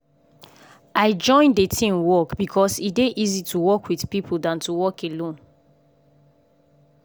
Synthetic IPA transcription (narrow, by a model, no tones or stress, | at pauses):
aɪd͡ʒɔ̃ɪ̃ndetʰĩmwɔkbikʰɔsideʔizitʰuwɔkwiθpipʰudãntuwɔkʰelõn